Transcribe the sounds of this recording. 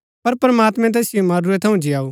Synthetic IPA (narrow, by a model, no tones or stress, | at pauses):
pɐɾpɾɐmaːt̪mɛ̃t̪̬ɛːsɪjomaɾuet̪ʰɐũd͡ʒɪjaːu